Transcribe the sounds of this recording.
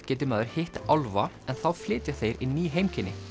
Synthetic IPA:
cɛːt̪ɪmaːðʏɾ̥hɪht̪awlva | ɛnθawflɪːt̪jaθejɾiniːɦejmcʰɪnːɪ

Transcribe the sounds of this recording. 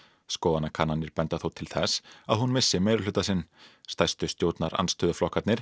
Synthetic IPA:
skoːwðanakʰaːnanːɪɾpɛnt̪aθuwt̪ʰɪlθɛsaðhunmɪsːɪmeːjɾɪlʏːt̪asɪnːst̪ajst̪ʏst̪joːwt̪naɾa̰nst̪ʰʏːðʏflɔhkat̪nɪɾ̥

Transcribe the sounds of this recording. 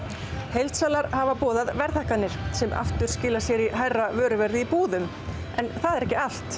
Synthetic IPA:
hejlt̪saːlaɾhavapɔːðaðvɛɾðahkanːɪɾ̥sɛmʔa̰ft̪ʏɾ̥scɪːlasjɛɾiɦajravœːɾʏvɛɾðɪipuːðʏm | ɛnθaðɛɾɛhcɪal̥t̪

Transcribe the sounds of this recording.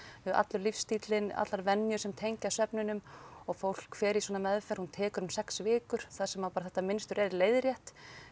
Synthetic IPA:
ʏʔa̰t̪lʏɾlifst̪iːt̪lɪna̰t̪laɾvɛnːjʏsɛmt̪ʰejɲcasœpnɪnʏmɔɣfowl̥kfɛːɾiswɔːnamɛðfɛɾ̥hunt̪ʰɛːkʏɾʏmsɛksvɪːkʏɾ̥θaðsɛmapaːɾaθɛht̪ːamɪnst̪ʏɾʔɛðɾleːjðɾjɛht̪

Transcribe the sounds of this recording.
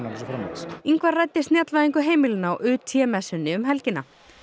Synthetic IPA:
alsfɾamaiŋkvaɾrajt̪ːɪ̥st̪njat̪lvaðiŋkʏɦeːjmɪlɪnːaɔ̰ʔʏːt̪ʰːjɛmɛsʏnːɪʏmɦɛlcɪnːa

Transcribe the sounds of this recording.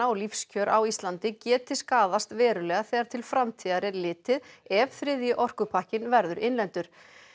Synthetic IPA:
aɔlifscʰœːɾʔawist̪lant̪ɪcɛːt̪ɪskaːðast̪vɛːɾʏlɛːɣaθɛːɣaɾ̥t̪ʰɪlfɾamt̪ʰiːðaɾɪɾlɪːt̪ɪðɛvθɾɪðjɪʔɔr̥kʏpʰahcɪnvɛɾðʏɾɪnlɛnt̪ʏɾ̥

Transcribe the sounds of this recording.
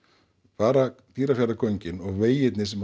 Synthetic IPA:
paːɾat̪iːɾafjɛrakʰœɥɲcɪnɔɣveːjɪt̪nɪsɛm

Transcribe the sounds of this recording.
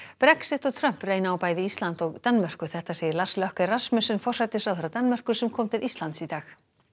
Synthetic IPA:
pɾɛksɪht̪ɔɣt̪ʰɾœm̥preːjnaawpaːjðɪist̪lant̪ɔɣt̪anmɛr̥kʏθɛht̪aseːjɪɾlaslœhkarasmʏsʏnfɔr̥sajt̪ɪsawθɛɾat̪anːmɛr̥kʏ̥sɛmkʰɔːmt̪ʰɪɾist̪lant̪sit̪aːx

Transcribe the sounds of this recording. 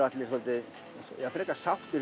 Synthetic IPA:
at̪lɪsɔlt̪ɪ | jafɪɾɛkːasaht̪ɪɾ

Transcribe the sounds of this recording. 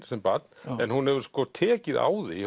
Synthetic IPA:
sɛmpat̪nɛnhunhɛvʏɾ̥skɔːt̪ʰɛːcɪða̰ːwði

